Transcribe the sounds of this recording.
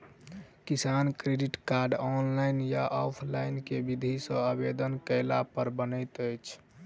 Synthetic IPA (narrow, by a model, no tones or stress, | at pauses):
kisankɾeɖiʈkaɾɖɔnlajnjaʔɔpʰlajnkebid̪ʱisə̃əbed̪ənkəlapəɾbənət̪əjt͡ʃʰ